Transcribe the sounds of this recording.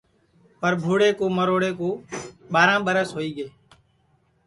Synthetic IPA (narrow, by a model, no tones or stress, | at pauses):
pəɾbʱuːɽeːkoːməɾoːɽeːkoːɓaːɾãːɓəɾəsɦoːiːɠeː